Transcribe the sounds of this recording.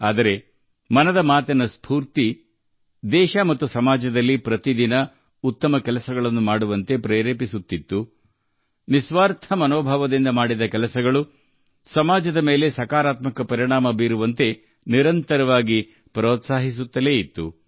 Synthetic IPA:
aːd̪ɐɾe̞ | mɐnɐd̪ɐmaːt̪ɐnɐspʰuːɾt̪i | d̪ɛːʃɐmɐt̪ːusɐmaːd͡ʒɐd̪ɐlːipɾɐt̪id̪inɐ | ut̪ːɐmɐkɛlɐsɐɡɐɭɐnːumaːɽuʋɐnt̪e̞pɾeːɾeːpisut̪ːit̪ːu | nisʋaːɾt̪ʰɐmɐnoːbʱaːʋɐd̪ind̪ɐmaːɽid̪ɐkɛlɐsɐɡɐɭu | sɐmaːd͡ʒɐd̪ɐme̞ːle̞sɐkaːɾaːt̪mɐkɐpɐɾiɳaːmɐbiːɾuʋɐnt̪e̞ | niɾɐnt̪ɐɾɐʋaːɡi | pɾoːt̪saːɦis̬ut̪ːɐle̞ːit̪ːṵ

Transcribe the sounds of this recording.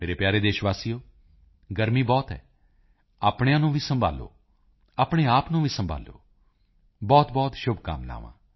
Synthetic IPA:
meːɾepjaːɾeːd̪eːʃʋaːsijoː | ɡəɾmiːbɔːt̪ɦɛ̰ː | aːpɽejãːnũːʋʱiːsəmbʱa̰ːlo̰ː | aːpɽ̃eːaːpnũːʋʱisə̃mbʱa̰ːlo̰ː | bɔːt̪bɔːt̪ʃʊbʱka̰ːmla̰ːʋã̰ː

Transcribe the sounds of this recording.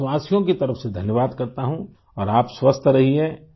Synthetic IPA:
waːsijõkit̪ɐɾəfsed̪ʱɐnjəʋaːd̪kɐɾt̪aɦũ | ɔːɾaːpswɐst̪ʰɾɐɦiɛ̃ː

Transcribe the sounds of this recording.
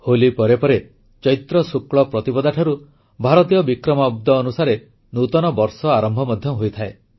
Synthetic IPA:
holipɔɾepɔɾe | t͡ʃɔjt̪ɾɔsukɭɔpɾɔt̪ipɔd̪aʈʰɔɾu | bʱaɾɔt̪ijɔbikɾɔmab̚d̪ɔːnusaɾe | nut̪ɔnɔbɔɾsɔaɾɔmbʱɔmɔd̪ʱjɔɦojt̪ʰae

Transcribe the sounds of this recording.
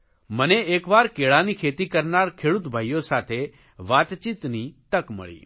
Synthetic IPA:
məneeːkʋaːɾkeːɭanikʰeːt̪ikəɾnaːɾkʰeːɽut̪bʱaːjosaːt̪ʰe | ʋaːt̪t͡ʃit̪nit̪əkmə̰ɭḭː

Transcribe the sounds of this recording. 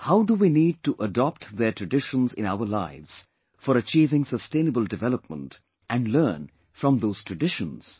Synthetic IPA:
haʊduwiniːd̚ʈuʔədɔp̚ʈðətʰɹɨɖɪʃə̃nzɪ̰̃naʊəlaɪvz̥ | fɔɾət͡ʃiːvɪ̃ŋsəstẽːnəbəlˠdɪvɛləp̚mə̰̃nt | ʔæ̃nlɜːn | fɾʌ̃mðoːz̥tʰɹəɖɪʃə̃nz̥

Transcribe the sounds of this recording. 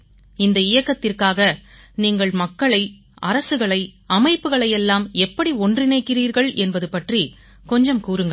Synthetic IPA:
ɪnd̪ɐɪjɐkːɐt̪ːɪrkaːɣɐ | niːŋɡɐɭmɐkːɐɭɐɪ | ʔɐɾɐsɯɣɐɭɐɪɐmɐɪpːɯɣɐɭɐjɛlːaːmɛpːɐɽiɔndrɪnɐɪkːɪriːɾɣɐɭʔɛnbɐðɯpɐʈri | kɔɲd͡ʒɐmkuːɾɯŋɡɐ

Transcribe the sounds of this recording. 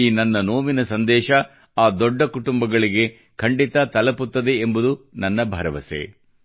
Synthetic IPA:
iːnɐnːɐnoːʋinɐsɐnd̪ɛːʃɐ | aːd̪ɔɖːɐkuʈumbɐɡɐɭiɡe̞ | kʰɐɳɖit̪ɐt̪ɐlɐput̪ːɐd̪e̞ːmbud̪unɐnːɐbʱɐɾɐʋɐsḛ

